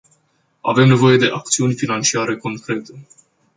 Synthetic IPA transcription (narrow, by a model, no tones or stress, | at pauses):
a̰ve̞mne̞vo̞je̞d̪e̞ʔak̚t̪siunʲfinant͡ʃiaɾe̞ko̞ŋkɾe̞t̪e̞